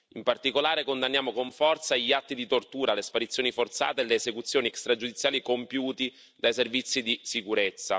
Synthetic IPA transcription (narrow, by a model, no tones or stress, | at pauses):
impart̪ikolaːɾekond̪anːjaːmokoɱfɔrt̪saʎiat̪ːid̪it̪ort̪uːɾalespaɾit̪sːjoːnifort̪sa̰ːt̪eːleːzekut̪sːjoːniɛkst̪ɾad͡ʒud̪it̪sjaːlikompjuːt̪i | d̪ajservit̪sːid̪isikuɾet̪sːa̰